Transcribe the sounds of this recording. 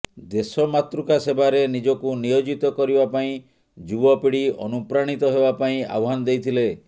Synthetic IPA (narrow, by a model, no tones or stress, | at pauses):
d̪esɔmat̪ɾukasebaɾenid͡ʒɔkunijod͡ʒit̪ɔkɔɾibapaĩ | d͡ʒubɔpiɽiɔ̰nupɾaɽ̃it̪ɔɦebapaĩa̰wɦanɔd̪ejt̪ʰile